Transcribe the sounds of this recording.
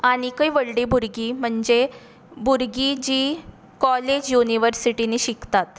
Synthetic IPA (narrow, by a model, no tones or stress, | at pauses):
aɽ̃ikəjʋəɭɽibʱuɾɡiːm̤əɳd͡ze | bʱuɾɡid͡ʑiː | kɔled͡ʑjuniʋəɾsiʈineɕikt̪at̪